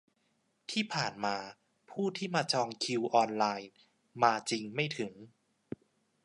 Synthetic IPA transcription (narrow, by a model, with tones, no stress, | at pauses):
t̪ʰiː˥˩pʰaː˨˩nmaː˧ | pʰuː˥˩t̪ʰiː˥˩maː˧t͡ɕɔː˧ŋkʰi˧wʔɔː˧nlaː˧j | maː˧t͡ɕi˧ŋma˥˩jt̪ʰɯ˩˦ŋ